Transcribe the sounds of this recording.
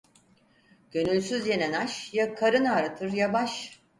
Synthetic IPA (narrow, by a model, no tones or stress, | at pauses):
ɟ̥ø̞nylʲsyzje̞nɛnaʃjakʰaɾɯnaːɾat̪ʰɯɾjabaʃ